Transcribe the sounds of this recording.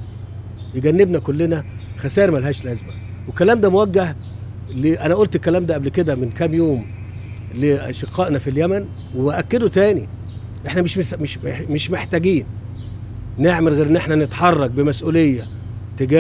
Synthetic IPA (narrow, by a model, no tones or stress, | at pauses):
jeɡænːebnækolːenæ | xæsæːɾmælhæːʃlæzmæ | wekːælæːmd̪æːmowæɡːæh | leʔænæʔolt̪ekːælæːmd̪æːʔæblked̪æmenkæːmjoːm | leʔæ̰ʃeqʰːɑːʔnæfiljæmæn | webæʔækːed̪ot̪æːni | ʔeħnæmeʃmesmeʃemeʃmeħt̪æɡiːn | neʕmelɣeːɾʔenːʔeħnænet̪ħɑrˤːɑɡ̚bemæsʔuːlejːæ | t̪eɡæ